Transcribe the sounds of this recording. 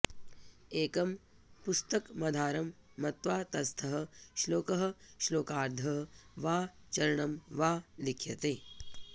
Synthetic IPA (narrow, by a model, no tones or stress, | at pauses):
eːkɐm | pust̪ɐkmɐd̪ʱaːɾɐmːɐt̪ʋaːt̪ɐst̪ʰɐɦɐ̆ʃloːkɐɦɐ̆ʃloːkaːɾd̪ʱɐɦʋaːt͡ʃɐɾɐɳɐmʋaːlikʰjɐt̪eː